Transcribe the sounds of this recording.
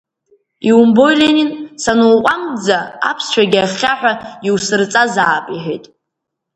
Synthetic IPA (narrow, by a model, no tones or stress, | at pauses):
iumbo̞jlʲeninsanuwqʷʼamd͡zaa̰pʰst͡ʃʷʰaɡʲaχʲaħʷᶣaiwsɨrt͡sʼazaːpʼiħʷᶣḛtʼ